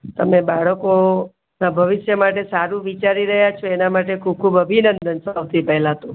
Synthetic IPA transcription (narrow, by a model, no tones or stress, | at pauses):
t̪əmebaɭəko | nabʱəʋɪʃjəmaʈ̬esaɾũʋit͡ʃaɾiɾəɦjat͡ʃʰoenamaʈekʰub̚kʰubəbʱinənd̪ənsəwt̪ʰipɛɦlat̪ũ